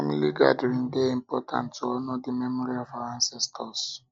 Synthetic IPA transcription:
familiɡa̰dəɹĩŋdeĩmpɔtʰã̰ntːoɔnodimɛmɔɹiɔvaãnsɛstʰɔs

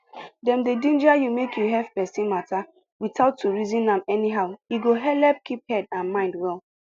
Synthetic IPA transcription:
dɛ̃mdedĩnd͡ʒajumekʰjuɦɛvpɛsĩnmatʰa | witaʊtːuɹizĩnãmɛniɦaʊjiɡoɦɛlɛp̚kip̚hɛdãnmãɪ̃ndwɛlˠ

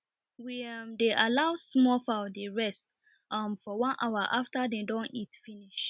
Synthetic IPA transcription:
wimdeʔalaʊsmɔfaʊdeɹɛst | ʔamfɔwãnʔaʊaʔaftadedɔ̃nitfiniʃ

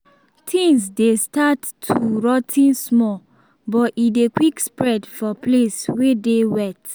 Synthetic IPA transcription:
tʰĩŋsdestatʰuɹɔtʰĩnsmɔ | bɔtidekwikspɹɛdfɔpleswedewɛt

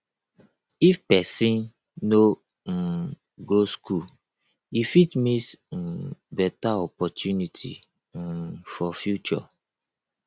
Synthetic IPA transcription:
ifpɛsĩn | no | ɡosku | ifitmis̩ | bɛtaɔpɔtjunitʰḭ | fɔfjut͡ʃɔ̰

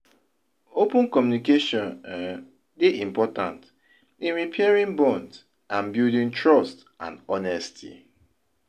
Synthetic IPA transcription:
opũnkɔmjunikeʃɔ̃n | deʔĩmpɔtã̰nt | ĩnɹipʰɛɹĩnbɔ̃nd | ãnbjudĩntʰɹɔst | ã̰nɔnɛstʰḭ

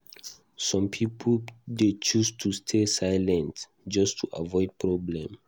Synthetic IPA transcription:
sɔ̃mpʰipʰldet͡ʃustʰustʰesajlɛ̃nt | d͡ʒɔstʰuʔa̰vɔɪd̚pʰɹɔblɛ̃m

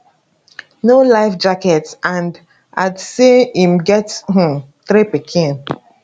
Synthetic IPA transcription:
nolaɪfd͡ʒakɛtãnd | adsiĩmɡɛth̩ | θɾipikʰĩn

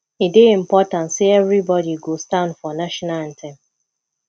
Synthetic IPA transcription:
ideĩm̩pɔtãnseɛvɾibɔdiɡostãndfɔnaʃɔnan̩tʰɛ̃m

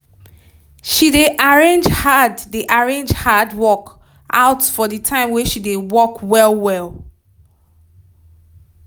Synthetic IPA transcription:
ʃideʔaɹẽnd͡ʒhadːeʔaɹẽnd͡ʒhadwɔk | a̰ʊtfɔdətʰãɪ̃mweʃidewɔkwɛlˠwɛlˠ

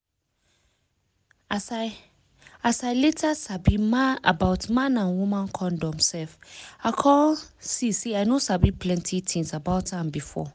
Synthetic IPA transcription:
as | asaɪletʰasabimãa̰baʊtmãnãnwumãnkʰɔ̃ndɔ̃msɛlfakʰɔlsiseaɪnosabipʰlɛ̃ntʰitʰĩnsabaʊtʰãmbifɔ̰

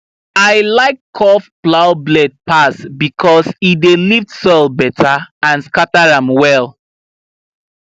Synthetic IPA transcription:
aɪlaɪkʰːɔfplaʊblɛd̚pasbikʰɔsideliftsɔɪlˠbɛtʰaãnskataɹãmwɛlˠ

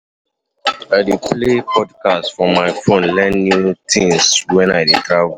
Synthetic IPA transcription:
aɪdeplepʰɔdkastfɹɔ̃mːaɪfõnlɛ̃nːutĩŋswɛ̃naɪdetɹav

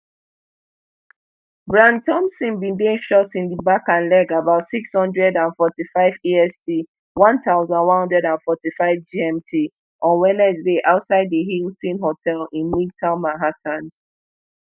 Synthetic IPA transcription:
bɹãntʰɔ̃msĩnbĩndẽnʃɔtĩndibakãnlɛɡabaʊtsikshɔ̃ndɹɛdãnfɔtifaɪviɛsdi | wɔ̃ntaʊzɔ̃nwɔ̃nhɔ̃ndɹɛdãnfɔtifaɪvd͡ʒiɛ̃mtʰi | ʔɔ̃nwɛnɛsdeʔaʊtsaɪdðəɦiltĩnɦotʰɛlĩnmitʰãʊmaɦatʰãn

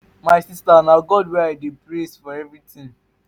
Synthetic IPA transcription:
maɪsistanaɡɔdwɛaɪdepɹesfɔɛvɹitĩn

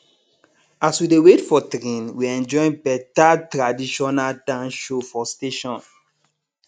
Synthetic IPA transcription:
aswidewetfɔtɾẽnwiɛ̃nd͡ʒɔ̃j̃npɛtatɾadiʃɔnaltãnʃofɔsteʃɔ̃n

